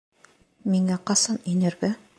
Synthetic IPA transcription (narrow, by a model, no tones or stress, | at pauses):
miŋæqɑsɑninɘ̆ɾɡæ